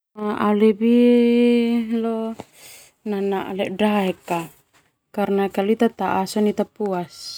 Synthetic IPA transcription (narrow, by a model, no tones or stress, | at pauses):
aalɛbi | lɔ | nanaʔlɛʔdaɛka | karnakaluit̪at̪aʔasɔnit̪apuas